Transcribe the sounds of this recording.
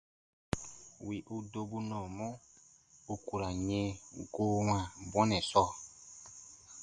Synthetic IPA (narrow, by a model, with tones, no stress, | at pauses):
wi˨ʔu˦do˦bu˦nɔ̃˨mɔ̃˦ | u˨ku˨ɾa˨ɲẽ˦ɡo˦wã˨bwɔ̃˦nɛ̃˨sɔ˦˨